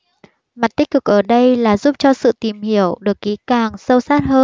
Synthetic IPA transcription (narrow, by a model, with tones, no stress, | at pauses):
ma˨˩t̚t̪ï̟˦˥kɨ˨˩k̚ʔəː˧˩ɗə˧jlaː˨˩zu˦˥p̚t͡ɕɔ˧sɨ̰˧˨t̪i˨˩mhi˧˩əwɗɨ˨˩ək̚ːi˨˦kaː˨˩ŋsə˧wsaː˦˥t̚həː˧n